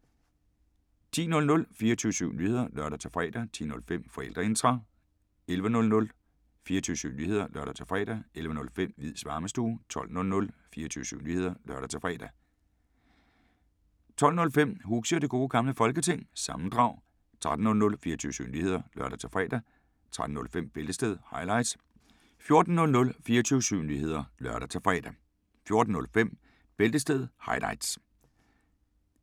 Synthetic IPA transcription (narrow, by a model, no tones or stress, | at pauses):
t͡sʰḭːnɔ̽lnɔ̽lfiːɐt͡sʰyːəsyʊ̰nyːhe̝ð̞ˠɐlɶɐɾɐt͡sʰe̝fʁɛ̰d̥æt͡sʰḭːnɔ̽lfem̰fɒ̽el̰d̥ʁɐe̝nt͡sʁɑ̈ | elʋənɔ̽lnɔ̽l | fiːɐt͡sʰyːsy̰ʊnyːhe̝ðˠɐlʔɶɐɾ̥ɐt͡sʰe̝fʁɛ̰ːd̥æelʋənɔ̽lfem̰ʋið̰ˠsʋɑ̈ːməsd̥uːt͡sʰɒ̽l̰nɔ̽lnɔ̽lfiːɐt͡sʰyːʊsyʊnyːhe̝ð̰ˠɐlɶɐɾ̥ɐt͡sʰe̝fʁɛ̰ːd̥æ | t͡sʰɒ̽l̰nɔ̽lfem̰huɡ̥səd̥e̝ɡ̥o̝ːɡ̥ɑ̈mləfɒ̽lɡ̥ət͡sʰe̝ŋ̰sɑ̈mn̩d̥ʁɑ̈ʊ̰ | t͡sʰʁad̥n̩nɔ̽lnɔ̽lfiːɐɒt͡sʰy̰ːʊsy̰ʊnyːhe̝ð̰ˠɐlɶɐɾ̥æt͡sʰe̝fʁɛ̰ːd̥æ | t͡sʰʁad̥n̩ɔ̽lfem̰b̥eld̥əsd̥eðˠhɑ̈ɪlɑ̈ɪd̥s | fjo̝ɐd̥n̩ːɔ̽lnɔ̽lfiːɐt͡sʰyːəsyʊnyːhe̝ð̞̰ˠɐlɶɐɾ̥æt͡sʰe̝fʁɛ̰ːd̥æ | fjo̝ɐd̥n̩nɔ̽lfem̰ | b̥eld̥əsd̥eð̞ˠhɑ̈ɪlɑ̈ɪd̥s